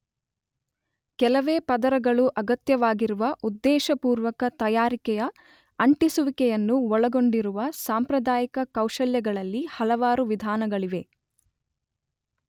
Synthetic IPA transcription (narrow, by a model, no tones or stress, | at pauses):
kɛlɐʋeːpɐd̪ɐɾɐɡɐɭuʔɐɡɐt̪jɐʋaːɡiɾuʋɐʔud̪ːɛːʃɐpuːɾʋɐkɐt̪ɐjaːɾikɛjɐ | ɐɳʈisuʋikɛjɐnːuɔɭɐɡo̞ɳɖiɾuʋɐsaːmpɾɐd̪aːjikɐkɐwʃɐljɐɡɐɭɐlːihɐlɐʋaːɾuʋid̪ʱaːnɐɡɐɭiʋe̞